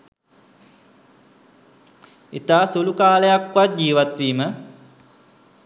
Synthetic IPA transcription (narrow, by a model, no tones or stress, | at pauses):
it̪aːsulukaːləjakʋat̪̚d͡ʑiːʋat̪ʋiːmə